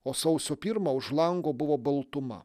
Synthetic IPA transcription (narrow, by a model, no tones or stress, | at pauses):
osɐʊsʲɔpʲiɾmɐʊʃlˠɑŋɡobʊʋɔbɨlˠt̪ʊmɐ̰